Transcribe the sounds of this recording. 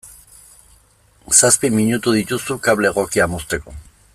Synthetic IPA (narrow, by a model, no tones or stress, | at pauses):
saspimiɲut̪uðic̪usukaβleɣokiamost̪eko